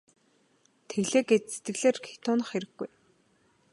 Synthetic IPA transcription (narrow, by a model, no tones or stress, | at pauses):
t̪ʰeɣɮeːɡɡet͡ɕ̪set̪ɡɘ̆ɣɮeːrkʰe̥t̪ʊːnə̆χxeɾɘ̆ɡɡːuj